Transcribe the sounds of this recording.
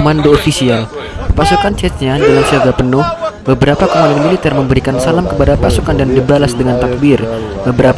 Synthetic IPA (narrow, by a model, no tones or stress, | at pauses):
mandoːfisial | pasukant͡ʃɛt̪̚ɲadalamsəaɡapənʊhbəbəɾapakomandomilit̪ɛrməmbəɾikansalamkəpadapasukandandibalasdəŋant̪ak̚bir | bəbəɾa